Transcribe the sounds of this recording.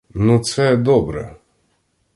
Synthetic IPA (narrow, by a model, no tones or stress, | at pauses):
nut̪sɛd̪ɔbɾɛ̰